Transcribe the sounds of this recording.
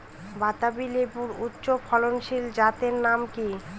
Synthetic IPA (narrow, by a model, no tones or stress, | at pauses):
bat̪abilepuɾutːɕopʰɔlonʃild͡ʑat̪eɾnamki